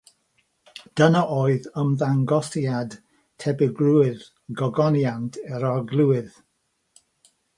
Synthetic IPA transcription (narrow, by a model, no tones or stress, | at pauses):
d̥ənaʔoːɨðəmðaŋɡɔsjad | tʰɛbɛɡluɪð | ɡɔɡɔnjantʰɛɾɔɡlˠuwɪð